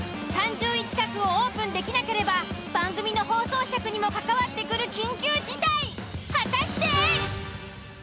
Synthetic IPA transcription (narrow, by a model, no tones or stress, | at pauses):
sãɲ̟d͡ʑɨːit͡ɕi̥kakɯ̟o̞oːpɯ̟̃nd̪e̞kʲinake̞ɾe̞babãŋɡɯ̟mʲino̞ho̞ːso̞ːɕiakɯ̟ɲ̟imo̞kakaβat̪ːe̞kɯ̟ɾɯ̟kʲĩŋkʲɨːd͡ʑid̪aihat̪aɕi̥t̪e